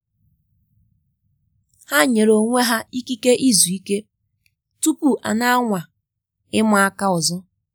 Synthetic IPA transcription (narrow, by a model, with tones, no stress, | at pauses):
ha˦ɲe˨ɾo˨ŋʷe˦ɦa˦i˦ki˦ke˦ʔi˦zu˨i˦ke˦ | tu˦ku˦ʔa̰˨na˦a˦ŋʷa˨ | ɪ˦mʊ˨a˦ka˦ʊ˨zɔ˦